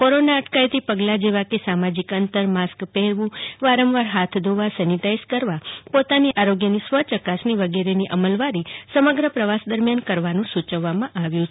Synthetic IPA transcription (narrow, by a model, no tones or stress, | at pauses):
koɾonaəʈkait̪ipəɡlad͡ʒeʋakesamad͡ʒikənt̪əɾmaskpɛɦɾʋũʋaɾəmʋaɾɦat̪ʰd̪oʋasɛnit̪aiskəɾʋapot̪aniʔaɾoɡjənisʋət͡ʃəkasniʋəɡeɾeniʔəməlʋaɾisəməɡɾəpɾəʋasd̪əɾmjankəɾʋanũsut͡ʃəʋːamãʔaʋjũ